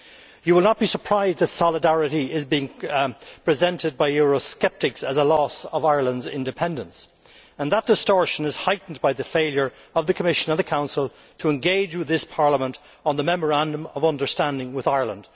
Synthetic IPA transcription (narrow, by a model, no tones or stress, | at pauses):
jəwəlˠnət̚b̥isə˞pʰɹ̥aɪzd̪ðətsɑlˠədæɹɨɾiɪzbiɪ̃ŋpʰɹ̥ɨzɛ̃ntɨd̚baɪjʊɹoskɛp̚tɨksɨzəlɔsʌvaɪə˞lˠə̃ndzɪ̰̃ndɨpʰɛ̃ndə̃ns | ə̃nðət̚d̥ɨstɔɹʃə̃nɨz̥haɪʔn̩baɪðɨfeɪlˠjə˞ | ʌvðɨkʰəmɪʃə̃nə̃nðɨkʰãʊ̃nsəlˠ | tʰəɛ̃nɡeɪd͡ʒwɨðɪspʰɑɹləmə̃nt | n̩ðəmɛmə˞æ̃ndə̃mʌvʌ̃ndə˞stæ̃ndɪ̃ŋwɨðaɪə˞lˠə̰̃nd̥